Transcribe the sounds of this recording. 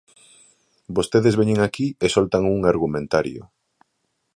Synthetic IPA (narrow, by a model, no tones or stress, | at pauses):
bost̪eðezβeɲeŋakiesolt̪aŋuŋaɾɣumẽnt̪aɾjo̰